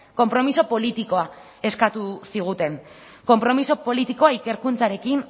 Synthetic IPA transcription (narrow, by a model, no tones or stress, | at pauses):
ko̞mpɾo̞miso̞po̞lit̪iko̞a | e̞skat̪usiɣ̞ut̪e̞n | ko̞mpɾo̞miso̞po̞lit̪iko̞aike̞ɾkunt͡saɾe̞kin